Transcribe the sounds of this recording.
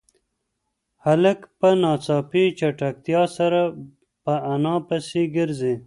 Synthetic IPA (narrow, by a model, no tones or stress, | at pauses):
hɐləkpənɑːt͡sɑːpit͡ʃaʈak̚t̪jɑsɐɾa | pəːnɑ̃ːpɐseɡɪɾze